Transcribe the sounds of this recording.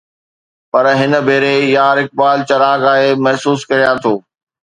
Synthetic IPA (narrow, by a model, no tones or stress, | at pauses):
pɐɾɦɪnə̆bʱeːɾejaːɾɪk̚baːlt͡ɕɐɾaːɡaːɦemɐɦsuːskɐɾijãt̪ʰoː